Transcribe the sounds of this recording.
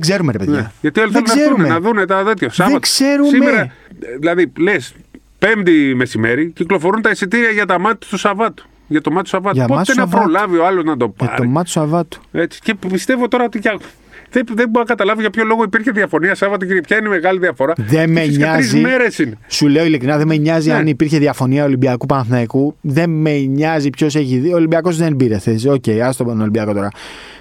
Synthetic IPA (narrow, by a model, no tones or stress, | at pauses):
ɡzeɾumeɾepeðneʝɐt̪ioliθeloeunenɐðunet̪ɐðet̪çɐsɐðvɐt̪seɾussimmeɾɐðilɐðiles | pe̞md̪ime̞sime̞ɾiciklo̞fo̞ɾunt̪ɐesit̪iɾiɐʝɐt̪ɐmɐt̪i̥t̪usɐvɐt̪u̥ | ʝɐt̪o̞mɐt̪t̪usɐvɐtʝɐupot̪enɐpɾolɐvio̞ɐlo̞znɐd̪o̞pɐ̰ɾoimɐusɐvɐt̪u̥et͡si̥ce̞pist̪e̞vot̪o̞ɾɐot̪icɐ | ðeðebokɐt̪ɐlɐvoʝɐpço̞lo̞ɣoipiɾçeðiɐfo̞niɐsɐvɐt̪̬uciɾepçɐineme̞ɣɐliðiɐfo̞ɾɐðe̞meɲsɐɾzizimeɾesinesule̞o̞ilikɾinɐðemeɲɐziɐnipiɾçeðiɐfo̞niɐolibiɐkupɐnθnɐkuðe̞meɲɐzipço̞se̞çiðioːlimbiɐko̞sðe̞nbiɾeθesiso̞ce̞iɐst̪onolimbiɐko̞t̪o̞ɾɐ